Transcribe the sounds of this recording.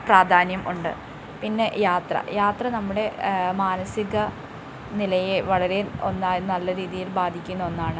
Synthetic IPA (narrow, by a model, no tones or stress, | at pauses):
praːd̪ʱaːnjɐmʔuɳɖɨ̰ | pinːe̞jaːt̪rɐ̰jaːt̪rɐnɐmːuɽe̞maːnɐsiɣɐ | nilɐjeʋɐɭɐɾe̞o̞̰nːaːjnɐlːɐɾiːðijilbaːd̪ʱikʲːunːɐonːaːɳɨ